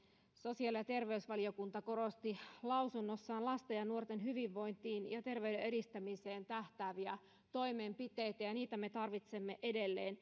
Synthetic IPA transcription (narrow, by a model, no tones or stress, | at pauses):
so̞siɑljɑt̪e̞rʋe̞ysʋɑlio̞kunt̪ɑko̞ɾo̞st̪ilɑuwsunːosːɑːnlɑst̪ejɑnuort̪enɦyʋiʋːo̞jnt̪iːnjɑt̪e̞rʋeydeeɾist̪æmise̞ːnt̪æht̪æːʋiæ | t̪o̞jme̞mpit̪e̞jt̪æjɑniːt̪æme̞t̪ɑrʋit̪se̞mːeʔede̞lːeːn